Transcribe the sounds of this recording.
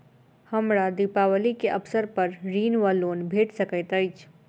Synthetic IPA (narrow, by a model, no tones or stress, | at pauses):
hɐmɾad̪ipaːwəlikeʔɐpsəɾpɐɾɾiːnʋaloːnbʱeːʈsɐkəjt̪ɐɪt͡ʃ